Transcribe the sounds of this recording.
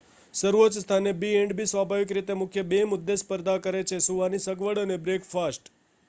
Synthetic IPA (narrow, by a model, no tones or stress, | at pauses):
səɾʋot͡ʃəst̪ʰanebieɳɖbisʋabʱaʋik̬ɾit̪emʊkʰjəbemʊd̪ːespəɾd̪akəɾet͡ʃʰesuʋanisəɡʋəɽənebɾekfasʈ